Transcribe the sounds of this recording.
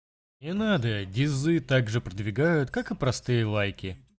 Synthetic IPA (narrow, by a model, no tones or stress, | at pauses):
ɪnad̪ədʲɪzːɨt̪aɡʐɨpɾəd̪vʲɪɡajʊt̪kakɨpɾɐst̪ɨjəlˠajkʲɪ